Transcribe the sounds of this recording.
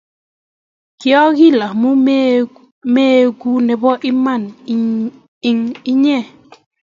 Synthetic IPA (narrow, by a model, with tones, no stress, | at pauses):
kjɔ˦ɡi˦˨la˨mu˦ | me˦ɡu˦nɛ˨bɔ˦ʔɪ˦ma˦˨n | ɪ˦ŋi˦ɲɛ˦˨